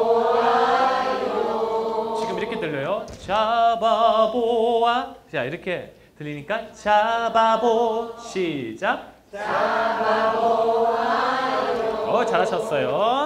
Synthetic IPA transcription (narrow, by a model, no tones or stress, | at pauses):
t͡ɕiɡɯmiɾʌkʰe̞tɯʎːʌjot͡ɕababowat͡ɕaiɾʌkʰe̞ | tɯʎːiɲik͈at͡ɕababoɕʰid͡ʑak̚ | ʌt͡ɕaɾɦaɕʰʌs͈ʌjo